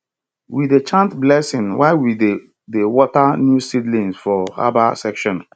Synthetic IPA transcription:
widet͡ʃãntblɛsĩnwaɪwide | dewɔtanjusidlĩnsfɔha̰basɛkʃɔ̃n

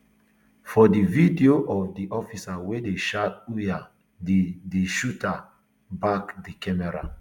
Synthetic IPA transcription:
fɔdividioʔɔfdiʔɔfisawedeʃatuja | dedeʃuta | bakdikɛmɛɾa̰

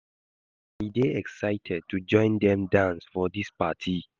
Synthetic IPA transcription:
hideɛksaɪtʰɛd̚tʰud͡ʒɔ̃ɪ̃ndɛ̃mdãnsfɔdispatʰi

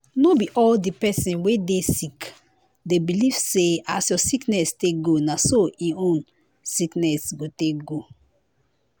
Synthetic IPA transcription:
nobiʔɔldipɛsĩnwedesik | debiliv̥seasjɔsiknɛsteɡonasoĩõn | siknɛsɡotekɡo

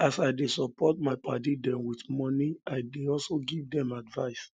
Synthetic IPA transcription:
asaɪdesɔpɔt̚maɪpʰatidɛ̃mwitmɔniaɪdeɔlsoɡivdɛ̃madvaɪs

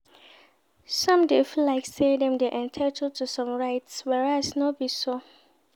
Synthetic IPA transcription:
sɔ̃mdefilaɪksedɛ̃mdeʔɛ̃ntʰatʰəltʰusɔ̃mɹaɪtswɛɹasnobiso

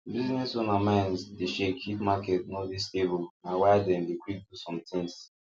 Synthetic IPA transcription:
biznɛsonamãɪ̃nsdeʃekʰːikmakɛtnodisebɔnãwaadɛ̃mdekʰwip̚dusɔ̃mtĩŋs

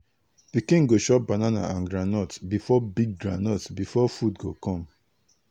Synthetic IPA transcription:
pikĩŋɡoʃɔp̚banana̰ãnɡɹanɔtbifɔbiɡ̚ɡɹã̰nɔtbifɔfudɡokɔ̃m

